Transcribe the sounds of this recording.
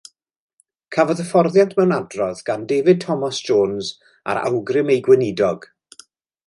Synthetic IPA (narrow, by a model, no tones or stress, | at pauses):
kʰavɔðəfɔrðjantʰmɛwnadrɔðɡ̥andeːvɨd̚tʰɔmasd͡ʒoːnz | a̰ɾa̰wɡrɪmejɡwɛnɪdɔɡ̥